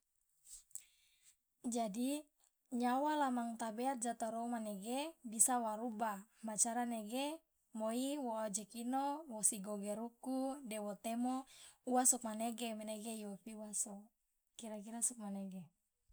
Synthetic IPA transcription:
d͡ʒadi | ɲawalamaŋt̪abɛat̪̚d͡ʒat̪aɾɔmaneɡebisawaɾubamat͡ʃaɾaneɡe | moiwɔad͡ʒɛkinowɔsiɡɔɡɛɾukudɛwɔt̪ɛmɔuwasɔk̚maneɡɛmɛneɡejɔpiuwasɔ | kiɾakiɾasuk̚manɛɡe

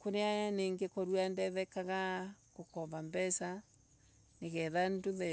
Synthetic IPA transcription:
koɾeajaneːŋɡekɔɾwandɛðɛkaɣakokɔβambɛsa | neɣɛðandoðɛ

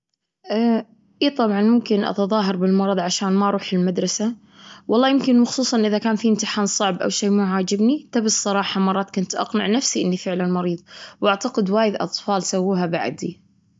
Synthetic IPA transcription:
ʔa | ʔiːt̪ˤɑbʕɑnmʊmkɪnʔɑ̰t̪ɑðˤɑːɦɑɾˤbɪlmɑɾˤɑðˤʕaʃaːnmaʔɑɾˤuːħɪlmad̪ɾˤɑsa | wʔɑlˤːɑːjɪmkɪnxʊ̥sˤuːsˤɑnʔɪðakaːnfimt̪ɪħaːnsˤɑʕbʔa̰wʃeːmʊʕaːd͡ʒɪbnit̪abɪsˤsːˤɑɾˤɑːħɑmɑrˤːɑːt̪̚kʊnt̪ʔɑ̰qnɪ̰ʕnafsiʔɪ̰nːifɪʕlanmɑɾiːðˤwʔaʕt̪aqɪd̪waːjɪd̪ʔɑ̰t̪ˤfɑːlsawːuːɦabaʕd̪i

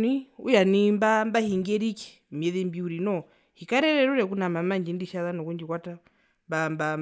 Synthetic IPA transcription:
niṵjanimbambahiŋɡɛɾiki̥ | mɛðɛmbiuɾinɔ | hikaɾɛɾɛɾuɾɛk̬unamamaɲd͡ʒindiʃaðanɔkuɲd͡ʒikwata | mbamba

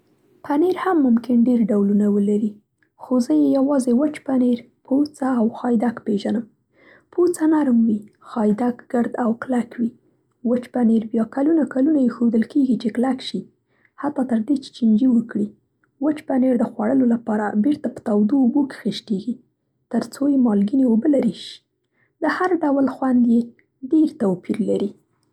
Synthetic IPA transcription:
paneɾhamːʊmkɪnɖeɾɖawlunawəlaɾi | xozəjejawɑzewət͡ʃpaneɾ | pʰot͡saːwxɑjd̪akpeʒanəm | pʰot͡sanaɾmwi | xɑjd̪akɡ̥əɾd̪awklakwi | wət͡ʃpaneɾbjɑkalunakalunajexod̪əlkeɡit͡ʃeklakʃi | hat̪ːɑt̪əɾd̪et͡ʃe̥t͡ʃind͡ʒiwəkɽi | wət͡ʃbaneɾd̪əxwaɽəlolapɑɾabeɾt̪apə̥t̪awd̪oːboke̥xəʃʈeɡi | t̪əɾt͡sojemɑlɡineobəlaɾiʃi̥ | d̪əhaɾɖawəlxwand̪je | ɖeɾt̪awpiɾlaɾi

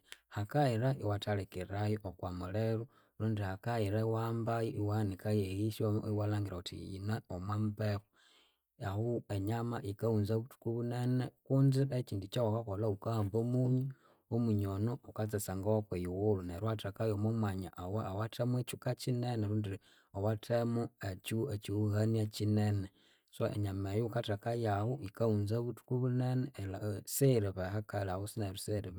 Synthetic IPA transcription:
hakaiɾaʔiwatalekiɾajookwamuleɾu | luːndihakaiɾaiwambajoʔiwanikajehiʃoiwalaːŋɡiɾautḭḭnaomwambexo | ahueɲamaʔikaunzaβutu̥kuβunenekundiet͡ʃiːndit͡ʃawakakolaukaaːmbomuɲu | omuɲonoukat͡sasaŋɡawakwejuwoluneɾwatakajomomwaɲaʔawaawatʰamwet͡ʃukat͡ʃineneɾuːndi | owatʰemuet͡ʃuet͡ʃiuhaniat͡ʃinene | saʔḛɲamejokatakajawoʔikaunzaβutu̥kuβunenelaseɾeβehakalawosinaɾuseɾeβ

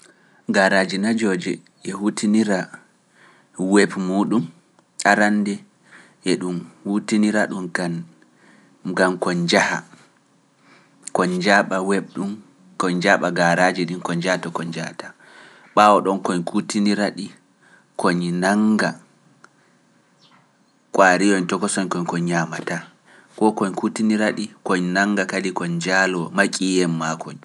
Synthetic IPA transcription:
ɡaɾad͡ʒinad͡ʒɔd͡ʒɛ | ʔɛhutiniɾa | wɛbmuɗum | aɾandɛ | ʔɛɗumhutiniɾaɗuma | ɡamkɔɲd͡ʒaha̰ | kɔɲd͡ʒaɓawɛb̚ɗum | kɔɲd͡ʒaɓaɡaɾad͡ʒɛɗinkɔɲd͡ʒahatɔkɔɲd͡ʒaha̰ta | ɓawɔɗɔnkɔɲkʰutiniɾaɗi | kʰoɲnaŋɡa | kʼwaɾijɔɲtɔkɔsɔɲkɔɲkɔɲɲamata | kɔkɔɲkutiniɾaɗikoɲnaŋɡakalikɔɲd͡ʒalɔmakʼijɛmːakʰɔɲ

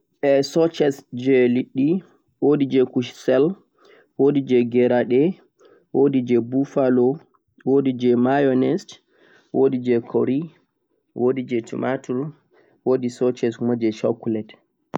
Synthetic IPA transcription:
ʔɛsɔt͡ʃɛsd͡ʒɛliɗːi | wodid͡ʒɛkuʃsɛl | wodid͡ʒɛɡɛɾaɗɛ | wodid͡ʒɛbufalɔ | wodid͡ʒɛmajɔnɛst | wodid͡ʒɛkʰoɾi | wodid͡ʒɛtʰṵmʔatuɾ | wodisɔt͡ʃɛsmɔd͡ʒɛʃɔ̰kulɛt

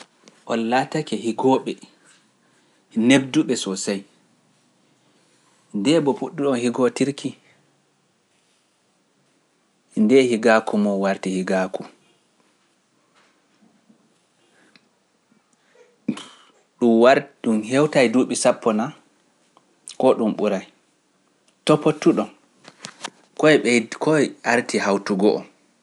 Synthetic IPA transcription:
ʔɔnlatakɛhiɡɔɓɛ | neb̚duɓɛsɔsaj | ndɛbɔfuɗːiɗɔnhiɡɔtiɾkʰi | ndɛhiɡakʰumɔwaɾtihiɡaku | ɗumwaɾɗumhɛwtajduɓisapːɔna | kɔɗumɓuɾaj | tɔpːotːuɗɔn | kɔjɓɛkɔaɾtʰihawtuɡɔʔɔ̰

